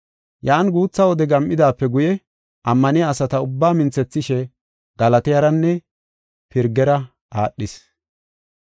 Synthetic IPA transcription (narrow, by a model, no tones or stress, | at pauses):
jaːnɡuːt͡sːɐwɔd̪ɛɡɐmʔːɪd̪aːpːɛɡʊjɛ | ʔɐmːɐnɪjaːsɐt̪ɐʊbːaːmɪnt͡sːɛt͡sːɪʃɛ | ɡ̥ɐlɐt̪ɪjɐɾɐnːɛ | pɪɾɡɛɾɐ | ʔaːɗːɪs